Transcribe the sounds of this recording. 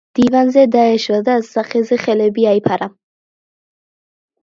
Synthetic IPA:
d̪̥ivanzɛd̪aɛʃɾad̪azzaχɛzɛχɛlɛbiaipʰaɾa

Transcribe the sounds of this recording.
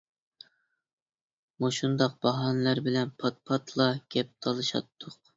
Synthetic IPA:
muʃund̪ɑq̚b̥ɑɦɑnlæɾbɪlɛnpʰɑt̪̚pʰɑt̪ʰlˠɑɡʲɛp̚t̪ʰɑlˠɨʃɑ̰t̪ʰːʊq

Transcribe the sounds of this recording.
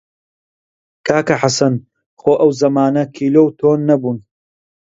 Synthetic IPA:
kaːkɐħasɐn | xoːʔɐwzɐmaːnɐkʰiːloːwt̪ʰoːnːɐbuːn

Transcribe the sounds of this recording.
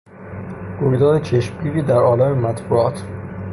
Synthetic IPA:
ɡ̥oɾid̪ɒːd̪et͡ʃʰeʃmɡiːɾiːd̪æɾɒːlæmemæt̪ʰbuɒːt̪ʰ

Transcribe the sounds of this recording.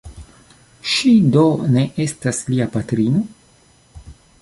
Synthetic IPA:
ʃido̞ne̞ʔe̞stasliapatɾino̞

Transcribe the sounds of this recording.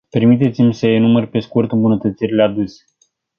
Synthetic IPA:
pe̞rmit̪̬e̞t̪simʲsəjenumərpe̞skurt̪ɨmbunət̪ət̪sirilead̪usʲe̥

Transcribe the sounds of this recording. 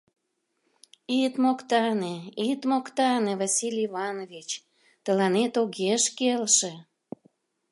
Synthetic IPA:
it̪mokt̪ɑneit̪mokt̪ɑnevɑsilʲivɑnovit͡ɕ | t̪əlɑnet̪oɣeʃkelʃĕ

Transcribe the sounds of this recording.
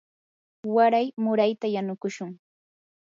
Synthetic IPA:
waɾajmʊɾajt̪ajanʊkʊʃʊŋ

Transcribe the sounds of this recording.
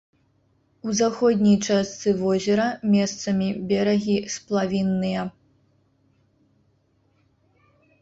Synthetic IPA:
uzaxɔd̪ʲnʲijt͡ʂast̪sɨvɔzʲɛɾɐmʲɛst̪sɐmʲibʲɛɾɐɣʲisplˠavʲinːɨjɐ

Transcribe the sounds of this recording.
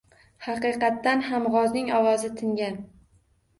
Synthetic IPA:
hɑqɨqɑt̪ːanɦamʁɒznɪŋɒwɒzɪt̪ʰɪŋɡʲan

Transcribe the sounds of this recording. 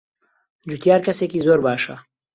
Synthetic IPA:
d͡ʒut̪jaːɾkɐsekizoːɾbaːʃa̰

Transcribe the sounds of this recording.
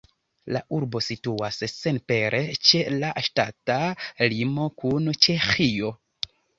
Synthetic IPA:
laʔuɾbo̞situassenpe̞ɾʔe̞t͡ʃe̞laʃtatalimo̞kunt͡ʃe̞xio̞

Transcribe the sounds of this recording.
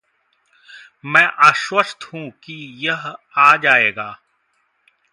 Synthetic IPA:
mɛ̃ːʔaːʃwəst̪hũːkijəɦaːd͡ʒaːeːɡaː

